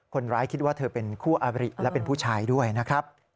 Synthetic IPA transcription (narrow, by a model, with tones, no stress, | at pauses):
kʰo˧nɾaː˦˥jkʰi˦˥t̪̚waː˥˩t̪ʰɤː˧pe˧nkʰuː˥˩ʔa˧ɾḭ˨˩ʔlɛ˦˥pe˧npʰuː˥˩t͡ɕʰaː˧jdu˥˩əjna˦˥kʰɾa˦˥p̚